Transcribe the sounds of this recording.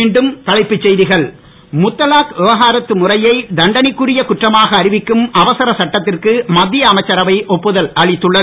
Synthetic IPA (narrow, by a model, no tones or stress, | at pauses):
iːɳɖɯmt̪ɐɭɐɪpːɯt͡ʃːɛjðɪɣɐɭ | mʊt̪ːɐlaːkʋɪʋɐɣaːɾɐt̪ːɯmʊrɐjɐɪd̪ɐɳɖɐnɪkːʊrɪjɐkʊʈrɐmaːɣɐːɾɪʋɪkːɯmɐʋɐsɐɾɐsɐʈːɐt̪ːɪrkɯmɐd̪ːɪjɐːmɐɪt͡ʃːɐɾɐʋɐɪʔɔpːɯðɐlɐɭɪt̪ːɯɭːɐðɯ